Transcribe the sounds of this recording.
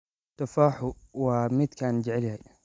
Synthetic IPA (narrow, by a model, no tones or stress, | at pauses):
t̪afaːħu | wamit̪kaːnd͡ʒɪʕlha